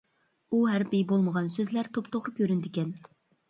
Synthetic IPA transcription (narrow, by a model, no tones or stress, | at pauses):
uɦæɾpijbolˠməʁɑnsøzlæɾt̪ʰopt̪ʰoʁɾʊkʲʰøɾynd̪ɪkʲɛn